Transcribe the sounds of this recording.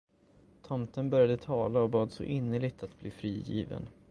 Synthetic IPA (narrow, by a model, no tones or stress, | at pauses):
t̪ʰɔmt̪ənbœɾjad̪ət̪ʰɑːlaɔbɑːd̪sɔ̰ʔɪnːəɭɪɡ̚t̪at̪bliːfɾiːjḭːvə̰n